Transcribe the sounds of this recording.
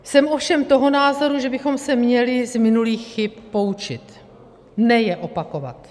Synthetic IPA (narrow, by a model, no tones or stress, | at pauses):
sɛmʔo̞fʃɛmt̪o̞ɦo̞naːzo̞ɾuʒɛbɪxo̞msɛmɲɛlɪzmɪnuliːxxɪpːo̞ut͡ʃɪt̪ | nɛjɛʔo̞pako̞va̰t̪